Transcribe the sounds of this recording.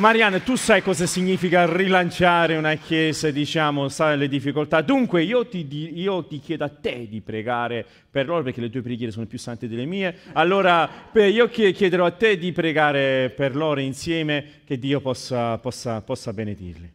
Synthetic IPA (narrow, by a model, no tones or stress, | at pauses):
maɾjanat̪usajkɔːzasiɲːiːfikarilant͡ʃaːɾeunakːjɛːzed̪it͡ʃaːmosaled̪ifːikolt̪ad̪uŋkweiːot̪id̪iiːot̪ikjɛːd̪oat̪ːed̪ipɾeɡaːɾe | perloːɾopeɾrkelet̪uːepɾeɡjɛːɾesoːnopjusːant̪ed̪elːemiːealːoːɾapiːokekjɛd̪eɾɔat̪ːed̪ipɾeɡaːɾeperloːɾainsjɛːmeked̪ːiːopɔsːapɔsːapɔsːabened̪ḭrli